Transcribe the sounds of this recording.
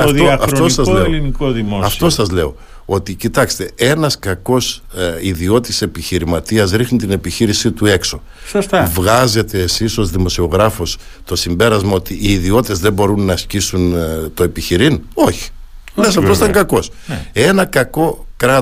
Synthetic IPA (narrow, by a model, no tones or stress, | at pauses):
ɐðoɐɐft̪osɐzlelinikoðimoɐft̪o̞sɐzle̞o̞ | o̞t̪icit̪ɐkse̥t̪e̞e̞nɐskɐko̞siðio̞t̪ise̞piçiɾimɐt̪iɐzɾixnit̪ine̞piçiɾisit̪ue̞kso̞ | sost̪ɐvɣɐze̞t̪e̞ːsiso̞zðimo̞sio̞ɣɾɐfo̞s | t̪o̞simbe̞ɾɐzmɐo̞t̪iʔːðio̞t̪e̞zðembo̞ɾunːɐscisunt̪o̞e̞piçiɾino̞çi̥ | lesɐft̪osit̪ɐŋɡɐko̞sne̞nɐkɐko̞kɾɐ